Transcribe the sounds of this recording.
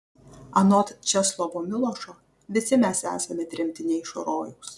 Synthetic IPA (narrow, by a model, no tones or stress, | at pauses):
ɐnɔt̪t͡ʃʲɛslˠɔʋomʲɪlˠɔʃo | ʋʲɪsʲɪmʲæsæ̰ːsɐmʲɛt̪ʲɾʲɪmʲt̪ʲɪnʲɛɪʃo̰ɾoːjɛʊs